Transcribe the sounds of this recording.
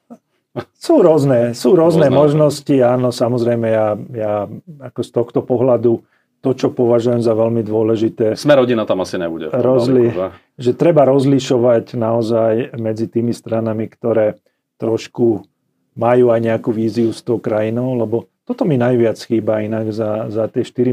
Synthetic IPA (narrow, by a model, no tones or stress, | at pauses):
suːɾʊɔznɛːsuːɾʊɔznɛːmɔʒnɔsciaːnɔsamɔzɾɛjmɛjajaːakɔst̪ɔxt̪ɔpɔɦlad̪u | t̪ɔt͡ʃɔpɔʋaʒujɛmzaʋɛlmid̪ʊɔlɛʒit̪ɛːsmɛɾɦɔɟinat̪amasiɲɛ̰buɟɛ̰ɾɔzli | ʒɛt̪ɾɛbaɾɔzliʃɔʋacnaɔzajmɛd͡zit̪iːmist̪ɾanamikt̪ɔɾɛː | t̪ɾɔʃku | majuːajɲɛakuʋiːziust̪ɔʊkɾajinɔʊlɛbɔt̪ɔt̪ɔminajʋɪat͡sxiːbainaɡzazat̪ɪɛʃt̪iɾi